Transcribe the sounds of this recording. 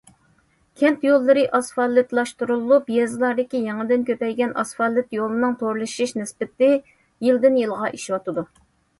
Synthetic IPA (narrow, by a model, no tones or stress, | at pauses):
kʲʰɛnt̪jolˠːɨɾɨʔɑsfɑlˠːɨt̪lˠɑʃt̪uɾulˠːupjɛzɨlˠɑɾd̪ɪkʲijɛŋɨd̪ɪnkʲʰøpɛjɡʲɛnʔɑsfɑlˠːɨt̪jolˠɨnɨŋt̪ʰoɾlˠɨʃiʃnɪsbɪt̪ɪ | jild̪ɪnjɨlˠʁɑʔiʃiwɑt̪ɨd̪u